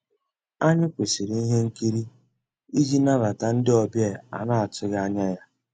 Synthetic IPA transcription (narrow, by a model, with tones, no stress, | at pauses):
a˦ɲɪ˦kʷe˨si˨ɾi˨i˦ɦe˦ŋ̩˦ki˦ɾi˦ | i˦d͡ʒi˦na˦la˨ta˨n̩˦dɪ˦ɔ˨bje˦˨a̰˨na˦a˨tʊ˦ɣa˦ɲa˦ja˦